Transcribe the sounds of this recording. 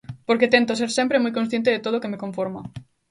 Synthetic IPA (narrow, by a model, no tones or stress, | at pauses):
poɾket̪ent̪os̬eɾsempɾemujkõnsθjent̪eðet̪oð̞okemekoɱfoɾma